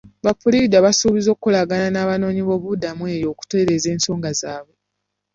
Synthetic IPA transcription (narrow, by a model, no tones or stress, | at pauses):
βapulidaβasuβizo̞ːkːulaɡananaːβano̞ːɲiβo̞ːβudamwe̞ːjo̞ːku̥twe̞ɾeze̞ːnso̞ːŋɡazaːβwe